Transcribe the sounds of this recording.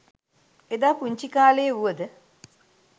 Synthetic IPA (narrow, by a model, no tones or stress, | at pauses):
ed̪aːpuɲt͡ʃikaːleːuəd̪ə